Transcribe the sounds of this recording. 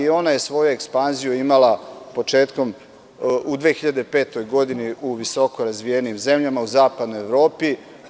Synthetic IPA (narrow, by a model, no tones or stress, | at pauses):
io̞naje̞sʋo̞juekspanzijuimalapo̞t͡ʃe̞ːt̪ko̞m | ud̪ʋeːxiʎad̪epe̞ːt̪o̞jɡo̞d̪iniʔuʋiso̞ko̞ɾazʋijeniːmze̞mʎamauzaːpad̪no̞jeʋɾo̞ːpi